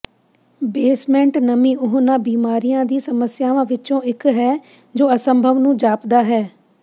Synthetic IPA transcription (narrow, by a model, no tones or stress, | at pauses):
beːsmɛ̃ːɳʈnəmĩːʊɦʊnaːbiːmaːɾijãːd̪iːsəməsjaːʋãːʋɪt͡ʃõːɪkɦɛː | d͡ʒoːəsə̃mbʱəʋnũːd͡ʒaːpd̪aːɦɛː